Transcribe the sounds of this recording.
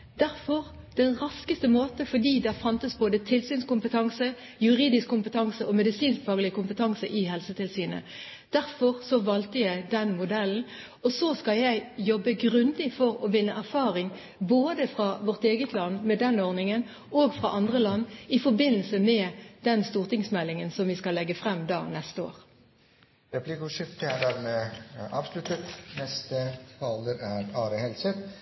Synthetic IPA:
d̪̥æɾfɔʁ | d̪̥ɛnʁɑskəst̪əmoːt̪əfɔd̪iːd̪ɛæfɑnt̪əsboːd̪ət̪ʰɪlsyːnskʊmpət̪ʰɑŋsə | jʉʁiːd̪ɪskʰːʊmpət̪ʰɑŋsəɔmɛd̪ɪsiːnsfɑːɡəlɪəkʊmpət̪ʰɑŋsəʔɪɦɛlsət̪ʰɪlsyːnə̰ | d̪̥æɾfɔʁsɔʋɑlt̪əjæɪd̪ɛnmʊd̪ɛln̩ | ɔsɔskɑljæɪjɔbːəɡʁʉnd̪ɪfɔɾɔʋɪnːəʔæʁfɑːʁɪŋ | boːd̪əfʁɑʋɔʁt̪eːɡət̪ʰlɑnːmɛd̪ɛnoːʁnɪŋən | oɡfʁɑʔɑnd̪ʁəlɑnːɪfɔɾbɪnːəlsəmɛd̪̥ɛnst̪uːʁt̪ɪŋsmɛlːɪŋənsɔmʋɪskɑlːɛɡːəfʁɛmːd̪ɑ̰ːnɛst̪əo̰ːʁ | ɾɛpʰlɪkʊʂɪft̪əæɖ̪æɾmeːʔɑːʋslʉt̪ːət̪nɛst̪ət̪ʰɑːləɾæɾɑːɾəhɛlsət̪

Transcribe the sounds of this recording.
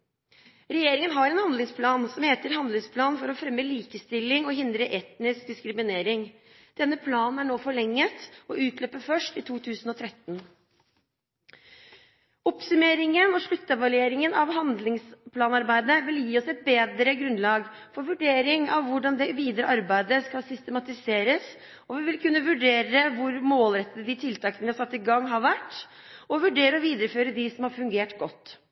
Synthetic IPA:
ɾɛjeːɾɪŋənɦɑɾɛnhɑnd̪lɪŋspʰlɑːnsɔmheːt̪əɾhɑnd̪lɪŋspʰlɑːnfɔɾɔfɾɛmːəliːkəst̪ɪlːɪŋɔɦɪnd̪ɾəʔɛt̪nɪsk̚d̪ɪskɾɪmɪneːɾɪŋ | d̪̥ɛnːəpʰlɑːnn̩æɳoːfɔɭɛŋːət̪ɔʉːt̪ʰløːpəfœʂʈɪt̪ʰuːt̪ʰʉːsənɔt̪ʰɾɛt̪ːn̩ | ɔpsʉmeːɾɪŋənɔʂɭʉt̪ːəʋɑlʉeːɾɪŋənɑʋɦɑnd̪lɪŋspʰlɑːnɑɾbæɪd̪əʋɪljiːɔsɛt̪̚beːd̪ɾəɡɾʉnlɑːɡ | fɔɾʋʉɖeːɾɪŋɑʋːʊɖɑnd̪ɛʋiːd̪əɾəʔɑɾbæɪd̪əskɑlsʏst̪əmɑt̪ɪseːɾəs | ɔʋɪʋɪlkʉnːəʋʉɖeːɾəʋʊɾmoːlɾɛt̪ːəd̪əd̪ɪt̪ʰɪlt̪ʰɑːkənʋɪhɑɾsɑt̪ːɪɡɑŋːɦɑɾʋæʈː | ɔʋʉɖeːɾəɔʋiːd̪əɾəføːɾəd̪ɪsɔmhɑɾfʉŋɡeːʈɡɔt̪ː

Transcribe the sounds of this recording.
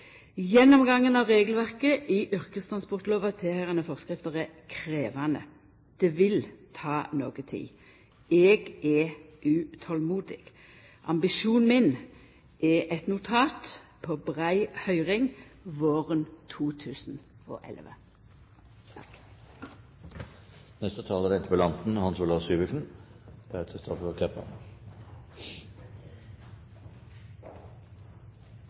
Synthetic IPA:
jɛnːɔmɡɑŋːənɑʋʁeːɡl̩ʋæʁkəʔɪʔʏʁkəst̪ʰʁɑnspɔʁt̪loːʋɑt̪ʰɛhæʁənəfɔʁskʁɪft̪əʁəkʰɾeːʋɑnə̰ | d̪̥ɛʋɪlt̪ʰɑːno̰ːɡət̪ʰɪ̰l | ɛɡɛʔʉːt̪ʰɔlmuːd̪ɪ̰ɡ̥ | ʔɑ̰mbɪʃuːnmɪn | ɛʔɛt̪nʊt̪ʰɑːt̪pʰɔbʁæɪhœʏʁɪŋʋoːʁənt̪ʰuːt̪ʰʉːsn̩o̰ːʔɛ̰lʋə̰ | nɛst̪ət̪ʰɑːləɾɛɪnt̪əpɔlɑnt̪n̩hɑnsuːlɑʋsyːʋəʂn̩b̪̥hɛt̪ʰəst̪ʰɔfkʰlɛpːɑ̰

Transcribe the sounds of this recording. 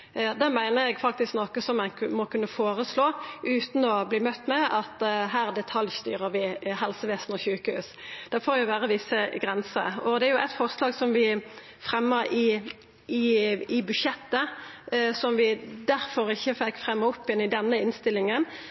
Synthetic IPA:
d̪ɛmæɪnəɾɛɡfɑk̚t̪ɪsknɔkəsɔmænmɔkʰʉnːəfoːʁəsloːʔʉːt̪nɔbliːmœt̪ːmɛʔɑt̪ɦæːʁd̪ɛt̪ʰɑljst̪y̰ːʁəʁʋɪɦɛlsəʋeːsn̩ɔçʉːkəhʉ̰ːsd̪̥ɛfoːɾjʊʋæːʁəʋɪsːəɡɾɛnsə̰ɔd̪ɛæɾjʊʔæt̪fɔʁslɑːɡsɔmʋɪ | fʁɛmːəɾɪ | ɪɪbʉdʃɛt̪ːə | sɔmʋɪd̪æʁfɔɾɪçːəfɛkːfʁɛmːəɔpːjɪnɪd̪ɛnːəɪnst̪ɪlːɪŋən

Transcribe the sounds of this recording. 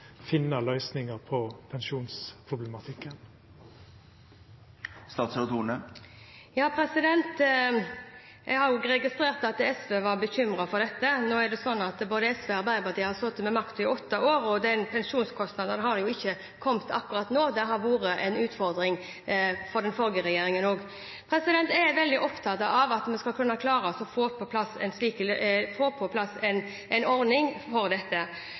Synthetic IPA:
fɪnːəlœʏsnɪŋəɾpʰɔpʰɛnʃuːnspʰɾʊblɛmɑt̪ʰɪkːən | st̪ɑːt̪st̪uːɳnə | jɑːpʰɾɛsɪd̪ɛnt̪ | jɛɡhɑɾjʊɾɛɡɪst̪ɾeːʁt̪ɑt̪ɛsʋeːʋɑɾbəçʏmɾɑfɔɾd̪ɛt̪ːənoːæɾd̪ɛsɔnːɑt̪boːd̪əɛsʋeːɑɾbæɪd̪ɑʁd̪ɪhɑɾsɔt̪ːmɛmɑkt̪ʊɪɔt̪ːɑʔoːɾɔd̪ɛnpʰɛnʂuːnskʰɔst̪nɑd̪ənhɑɾd̪ɛjʊɪçːə | kʰɔmt̪ʰɑ̰kːʉʁɑt̪noːd̪ɛɦɑɾʋuːɾəʔɛnʉːt̪fɔɾd̪ɾɪŋ | fɔɾd̪ɛnfɔlɡəɾɛjeːɾɪŋənoːɡ | pʰɾɛsɪd̪ɛnt̪ɛʋɛld̪ɪʔɔpt̪ʰɑt̪ɑɑʋɑt̪mɛnskɑlkʰʉnːɑkʰlɑːɾəɔsɔfoːpʰɔpʰlɑsːɛ̰nsliːkəlfoːpʰɔpʰlɑsɛn | ʔɛɪnɔɾnɪŋfɔɾd̪ɛt̪ːə

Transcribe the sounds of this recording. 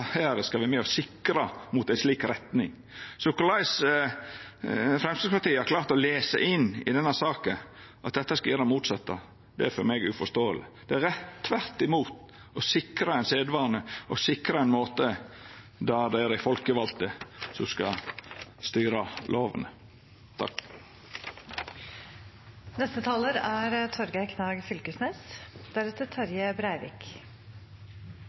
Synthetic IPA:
hæːɾəskɑʋɪmɛːɔsɪkɾɑmʊt̪æɪsliːkɾɛt̪nɪŋ | sʊkʊlɑɪs | fɾɛmsɪspɑt̪iːhɑɾkʰlɑːɾt̪ɔleːsə̰ʔɪnːɪ̰d̪ɛnːæɾsɑːkən | ʔɑt̪̚d̪ɛt̪ːɑskɑjæːɾəmuːt̪sɑt̪ːɑ | d̪̥ɛæɾfɔɾmɛɡʉfɔst̪oːə̰lɪd̪̥ɛæɾɛt̪ːʋæɾt̪ːɪmuːt̪ | ɔsɪkɾɑɛɪnseːd̪ʋɑːɾnəʔɔsɪkɾɑɛɪnmoːt̪ə | d̪ɑɾd̪ɛæɾæɪfɔlkəʋɑlt̪əsɔskɑ̰ | st̪yːɾɑlʔoːʋə̰nə | t̪ʰɑ̰k | nɛst̪ət̪ʰɑːləɾæɾt̪ʰɔɾɡɑɪkʰnɑːɡfʏlkəsnɛsd̪̥æɾʉt̪ət̪ʰɑɾjəbɾæɪʋɪ̰k

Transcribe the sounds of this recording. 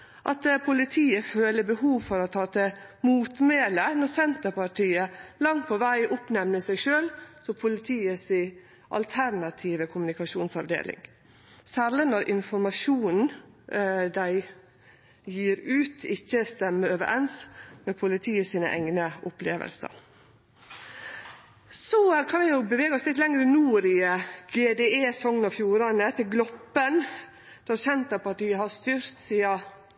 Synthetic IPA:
ʔɑ̰t̪pʰʊlɪt̪ʰiːəføːləbəhuːʋfɔɾɔt̪ʰɑːt̪əmuːt̪meːlənɔɾsɛnt̪əɾpɑʈʰiːəlɑŋt̪̚pʰɔʋæɪʔʊpnɛmnəsæɪʃøːlsɔpʰʊlɪt̪ʰiːəsɪ | ʔɑ̰lt̪ʰæɾnɑt̪ʰiːʋəkʰʊmnɪkɑʂuːnsɑʋd̪ḛːlɪ̰ŋ | sæɾlənɔɾʔɪnfɔɾmɑʃuːnn̩ | d̪æɪ | jiːɾʉːt̪ʰɪçːəst̪ɛmːəøːʋə̰ʔɛnsmɛpʰʊlɪt̪ʰiːəsiːnə̰ʔɛ̰ŋnəʔʊplḛːʋə̰lsə̰ɾ | sɔkʰɑnʋɪnoːbəʋeːɡəɔslɪt̪lɛŋɾənuːɾɪəɡ̥eːd̪eːeːsɔŋənɑʋfjuːɾɑnət̪ʰɪɡlɔpːən | d̪̥ɛɑɾçɛnt̪əpɑt̪ɪːəhɑɾst̪ʏɾt̪siːɑ

